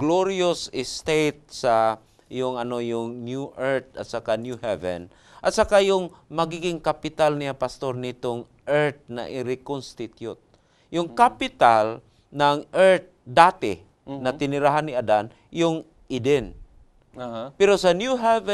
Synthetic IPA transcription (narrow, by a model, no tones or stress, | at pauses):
ɡloɾiosɪst̪et̪̚sa | jʊŋɐnojʊŋnjuʔɛɹt̪̚at̪sakanjuhɛvɛ̰n | ʔat̪sakajʊŋmɐɡiɡɪŋkapɪt̪alnijapast̪oɾnɪt̪oŋ | ʔɛɹt̪̚na̰ʔɪɾɪkonst̪ɪt̪jʊt̪̚ | jʊŋkapɪt̪al | naŋʔɛɹt̪̚d̪at̪ɪ̰ | nɐt̪ɪnɪɾaɦanɪad̪an | jʊŋ | ʔɪd̪ɛn | pɛɾosanjuɦɛvɛ